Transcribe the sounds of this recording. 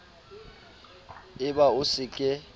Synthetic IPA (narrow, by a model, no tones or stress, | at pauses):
ɪbaʊsɪkʼɪ